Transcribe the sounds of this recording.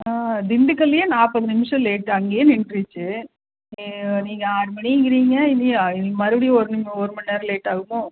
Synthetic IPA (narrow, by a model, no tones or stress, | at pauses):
aːd̪ɪɳɖɯkɐlːɪjeːnaːpɐðɯnɪmɪʂɐ̃leːʈːɐŋɡejeːnɪɳɖɾɯt͡ʃːɯ | niːŋɡɐaːɾmɐɳiŋɡɪɾiːŋɡɐɪnːiɪnmɐɾɯʋɐɽiɔɾɯnɪmɔɾɯmɐnːeːɾɐleːʈːaːɣɯmoː